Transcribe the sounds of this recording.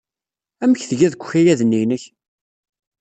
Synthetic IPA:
æməçθəʝæðəkʷːçæjæðənːinəç

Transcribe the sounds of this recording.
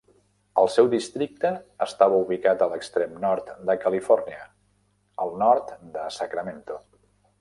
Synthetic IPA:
əlˠsɛwd̪ist̪ɾik̚t̪əːst̪aβəuβikat̪ələkst̪ɾemnɔɾt̪d̪əkəlifɔrniə | əlˠnɔɾt̪d̪əsəkɾəment̪u

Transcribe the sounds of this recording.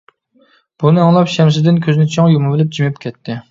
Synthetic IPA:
b̥unɨɑŋlˠɑpʃɛmsɪd̪ɪnkʲʰøzɪnɪt͡ʃʰɑŋjumɨbɪlɪp̚d͡ʒimɛpkʲʰɛt̪ʰːɪ

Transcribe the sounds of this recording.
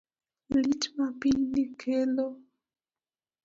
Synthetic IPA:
lit͡ʃmapinikʰelo

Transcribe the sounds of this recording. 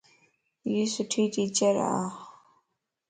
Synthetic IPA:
jisuʈʰiʈiːt͡ɕɐɾa̰a̰

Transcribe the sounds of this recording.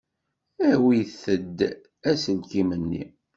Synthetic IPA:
æwijθəd̪ | æsəlkimənːḭ

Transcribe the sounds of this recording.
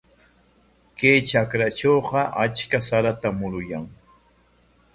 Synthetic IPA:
kejt͡ʃakɾat͡ʃowqɑʔat͡ʃkasaɾat̪amʊɾʊjaŋ

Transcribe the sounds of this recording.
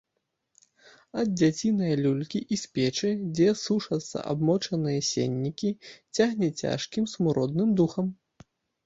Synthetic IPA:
ɐd̪̚d͡zʲat͡sʲinɐjɐlʲulʲkʲiʔisʲpʲɛt͡ʂɨd͡zʲɛsuʂɐt̪sːɐ̰ʔa̰bmɔt͡ʂɐnɨjɐsʲḛnʲːikʲit͡sʲaɣnʲɛt͡sʲa̰ʂkʲimsmuɾɔd̪nɨmd̪uxɐm

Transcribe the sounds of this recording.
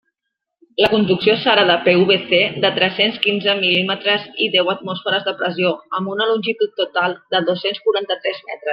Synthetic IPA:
ləkund̪uksiosaɾəðəpeuβeθed̪ət̪ɾɛsenskinzəmilimət̪ɾəziðɛwət̪mɔsfəɾəzðəpɾəzioəmbunəlunʲʒit̪ut̪ːut̪alˠd̪əðosenskuɾant̪ət̪ɾɛzmɛ̰t̪ɾəs

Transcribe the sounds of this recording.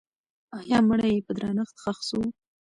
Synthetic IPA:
ɑjɑməɽajepəd̪ɾɑnəxt̪xaxsu

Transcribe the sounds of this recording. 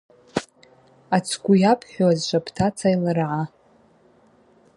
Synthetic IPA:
at͡sʰɡʷujapʰħʷᶣoazʃʷapʰtʰat͡sʰajlarʕa

